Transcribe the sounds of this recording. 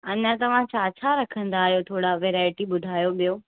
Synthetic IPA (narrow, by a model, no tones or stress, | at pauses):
ɐɲə̃t̪ɐʋ̤ãt͡ɕaːt͡ɕʰaɾɐkʰə̃nd̪aːɦijot̪ʰoːɽaʋeːɾaːɪʈiɓʊd̪ʱaːjoɓijoː